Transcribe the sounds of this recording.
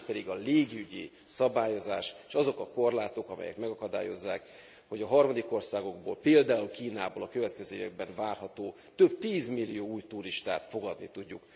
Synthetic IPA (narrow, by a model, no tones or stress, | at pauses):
pɛd̪iɡɒleːɡiyɟḭ | sɒbaːjo̞zaːʃʃɒzo̞kɒko̞rlaːt̪o̞kɒmɛ̰jɛ̰kmɛɡɒkɒd̪a̰ːjo̞̰zːaːk | ho̞ɟɒɦɒrmɒd̪iko̞rsaːɡo̞ɡbo̰ːlpeːld̪aːulkiːnaːboːlɒkø̞vɛt̪kɛzøːivɛɡ̚bɛɱvaːrɦɒt̪oː | t̪øbt̪iːzmilːijoːuːjt̪uɾiʃt̪a̰ːt̪fo̞ɡɒd̪nit̪uɟːuk